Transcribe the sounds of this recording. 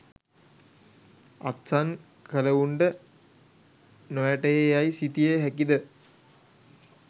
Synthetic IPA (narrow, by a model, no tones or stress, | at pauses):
at̪san | kələuɳɖə | nojaʈəjejajsit̪ijeɦækid̪ə